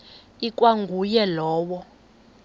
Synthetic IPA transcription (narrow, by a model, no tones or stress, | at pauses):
ikʼwaŋɡʱujɛlɔːwɔ